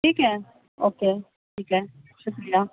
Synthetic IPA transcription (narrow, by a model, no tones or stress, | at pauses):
ʈʰiːkɛ | oːke | ʈʰiːkɛ | ʃʊklija